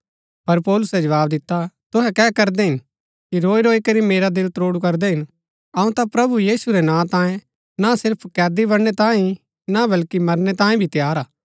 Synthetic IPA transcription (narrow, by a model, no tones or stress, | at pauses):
pɐɾpɔːlʊsɛd͡ʒɐʋaːbd̪ɪt̪ːat̪ʊɦɛkɛːkɐɾd̪ɛɦɪn | kiɾoːiɾoːikɐɾimeːɾad̪ɪlt̪ɾoːɽukɐɾd̪ɛɦɪn | ɐũt̪apɾɐbujiːsuɾɛnãːt̪ãːjẽ | nasɪɾpʰkɛːd̪ibɐɽñɛt̪ãːĩ | nabɐlkimɐɾnɛt̪ãːĩbʱit̪jaːɾaː